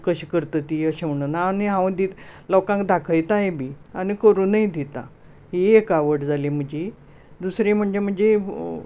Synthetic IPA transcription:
kəɕkəɾt̪ət̪iəɕeʋɳənaːniɦãwd̪it̪lɔwkãŋkd̪ʱakʰəjt̪ajebʱi | anikəɾũnajd̪it̪a̰ | ɦiekaʋəʈd͡zalem̤əɳd͡ʑi | d̪usɾẽm̤əɳd͡zem̤əɳd͡ze

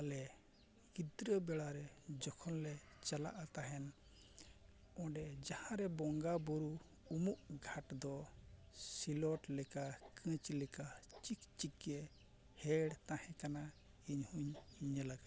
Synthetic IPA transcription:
alɛ | ɡid̪ɾəbɛɽaɾɛd͡ʒɔkʰɔnlɛt͡ʃala̰ʔat̪aɦɛn | ɔ̃ɖɛd͡ʒahãɾɛbɔŋɡabɔɾu | umuʔɡʱaʈd̪ɔ | silɔʈlɛkakʰə̃t͡ʃlɛkat͡ʃik̚t͡ʃikɛ | hɛɽt̪ãhɛ̃kana | iɲhuɲiɲəlaɡa

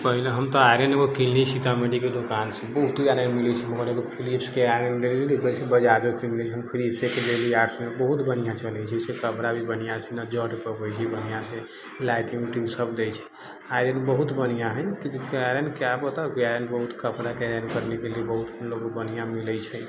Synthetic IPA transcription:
pəɦileɦəmt̪ɔajɾəneɡokillisit̪ameɖiked̪okansẽbəɦut̪aɾenmilɛt͡ʃʰɛməɡəɾeɡopʰilipskeaɾəndelilibəsebəd͡ʒad̪okimiliɦəmpʰilipsekelelieaɾsmebəɦut̪bənijat͡ʃəlɛt͡ʃʰɛsekəpɾabʱibənijat͡ʃʰɛnad͡ʒəʈpəbəjt͡ʃʰibənijase | laɪʈiŋʈiɡsəbd̪et͡ʃʰɛ̥ | ajɾənbəɦut̪bənijaɦəjkid͡ʒekaɾənkabət̪akaɾenbəɦut̪kəpɾakeaɾenkəɾnekeliebəɦut̪loɡobənijamilət͡ʃʰɛ

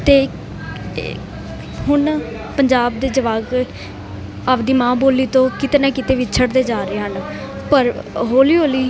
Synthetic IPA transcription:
t̪eː | ɦʊn | pəɲd͡ʒaːbd̪eːd͡ʒəʋaːɡ | aːpd̪iːmãːboːlːiːt̪õːkɪt̪eːnaːkɪt̪eːʋɪt͡ʃʰəɽd̪eːd͡ʒaːɾeːɦən | pəɾɦoːliːɦoːliː

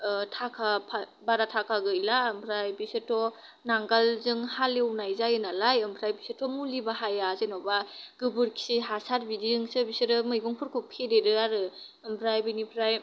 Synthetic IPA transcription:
tʰakʰapʰa | baɾatʰakʰaɡɯjlampʰɾajbisɯtʰɔ | naŋɡalzɯŋhalewnajzajɯnalajɯmpʰɾajbisɯtʰɔmulibaɦajazenɔbaɡ̥ɯbɯɾkʰi̥siɦasaɾbidiɯŋsɯbisɯɾɯmɯjɡɔŋpʰɯɾkʰɯpʰedeɾɯaɾɯɯmpʰɾajbinipʰɾaj

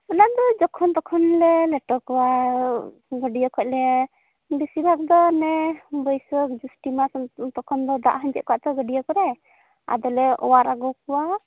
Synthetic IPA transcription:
ɔnad̪ɔd͡ʒɔkʰɔnt̪ɔkʰɔnlɛlɛʈɔkɔwa | ɡəɖijɔkʰɔc̚lɛ | bisibʱak̚d̪ɔnɛbɔjsɔkd͡ʒusʈimasɔt̪ɔkʰɔnd̪ɔd̪a̰ʔɦaɲd͡ʒɛʔ̪̚kɔaʔt̪ɔɡəɖijɔkɔɾɛ | a̰d̪ɔlɛɔ̰waɾaɡɔkɔwa

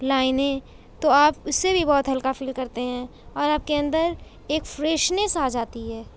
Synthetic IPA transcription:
laːɪnẽ | t̪oaːpʊsːebʱibɔːt̪ɦɐlkafiːlkɐɾt̪eɦɛ̃ː | ɔːɾaːp̚keɐ̃nd̪əɾ | eːkfɾeːʃnesaːd͡ʒaːt̪iɦɛː

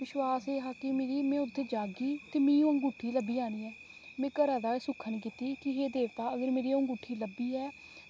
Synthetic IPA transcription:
ʋɪʃwaːseːɦaːkɪmeːɾiːmɛ̃ːʊt̪ʰːeːd͡ʒaːɡiːt̪eːmĩːũːə̃ŋɡuːʈʰːiːləbiːaːɽ̃iːɛː | mɛ̃ːkəɾãːd̪aːeːsʊkʰːənk̬iːt̪iːkɪɦeːd̪eːʋt̪aːəɡəɾmeːɾiːõːŋɡuːʈʰiːləbiːɛː

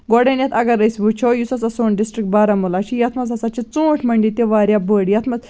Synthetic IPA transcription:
ɡɔɽenjɐt̪ʰɐɡɐɾəsbut͡ʃʰɔjusɐsɐsonɖisʈɾik̚ʈ̚baɾɐmulat͡ʃʰijɐt̪ʰmɐzɐsat͡ʃit͡sõːʈʰmɐɳɖit̪eʋaɾʲjabəɽjɐt̪ʰmɐz

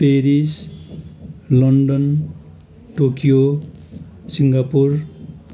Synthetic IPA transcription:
peɾis | lʌnɖʌn | ʈokijo | siŋɡapur

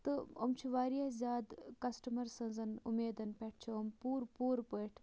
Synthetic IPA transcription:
t̪ɨo̰mt͡ʃʰiʋaːɾijɐzʲjaːd̪kɐsʈɐmɐɾsɐnzɐnṵmeːd̪ɐnpʲeʈ̚ʰt͡ʃʰiompuːɾpuːɾpəjʈʰ

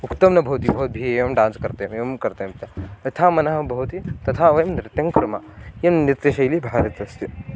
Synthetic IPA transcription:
ukt̪ɐmnɐbʱɐwt̪ibʱɐwt̪̚bʱieʋɐmɖãːnskɐɾt̪emeʋɐmkɐɾt̪emt̪ɐɐt̪ʰaːmɐnɐɦɐbʱɐwt̪it̪ɐt̪ʰaːʋɐjɐmnɾɪt̪jɐŋkɾɐmajɐmnit̪eʃɐjlibʱaːɾɐt̪ɐst̪i

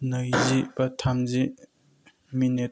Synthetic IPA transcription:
nəjzibɐtʰamzi | minet

